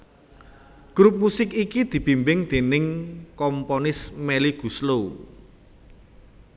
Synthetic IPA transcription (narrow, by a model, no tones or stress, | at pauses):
ɡ̥ɾup̚musɪkikid̪̥i̤b̥i̤mbɪŋd̪̥e̤nɪŋkɔmpɔnɪsmɛliɡ̥ṳslo